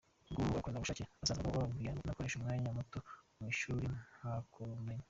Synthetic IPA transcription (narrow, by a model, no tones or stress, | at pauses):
ɡuuɡakwendaɡuʃaciasaːzakokoβavujanakoɾe̞ʃumŋaːɲamutomwiːʃuːɾinhakʰomeɲa